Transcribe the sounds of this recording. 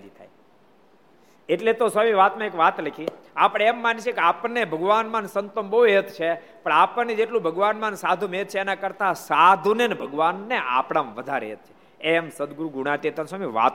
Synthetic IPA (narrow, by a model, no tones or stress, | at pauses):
d̪it̪ʰaj | eʈlet̪osamiʋat̪mãekʋat̪ləkʰiapəɽ̃emːanit͡ʃʰekeapnebʱəɡʋanmãnsənt̪əmboet̪t͡ʃʰe | pəɳapəned͡ʒeʈlũbʱəɡʋanmãnsad̪ʱumet̪̚t͡ʃʰeːnakəɾt̪asad̪ʱunenebʱəɡʋanːeʔa̰pɽ̃ãmʋəd̪ʱaɾḛt̪̚t͡ʃʰe̥ | emsəd̪ɡɾuɡuɽ̃at̪et̪ənswamiʋa̰t̪